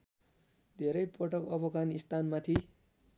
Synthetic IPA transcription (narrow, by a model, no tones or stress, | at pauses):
d̪ʱeɾʌjpʌʈʌkʌpʌɡanist̪anmat̪ʰi